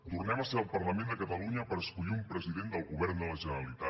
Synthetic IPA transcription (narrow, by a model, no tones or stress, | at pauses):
t̪urnɛməseəlˠpərləmẽnd̪əkət̪əluɲəpəɾəskuʎiumpɾəziðend̪əlˠɣuβɛɾnd̪ələʒənəɾəlit̪a